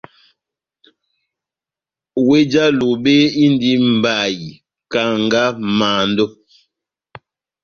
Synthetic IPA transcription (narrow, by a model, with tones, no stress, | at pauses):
we˦d͡ʒa˦lo˨be˦i˦ndi˦m̩˨ba˨ji˨ | ka˨ŋɡa˦maː˨ndɔ˦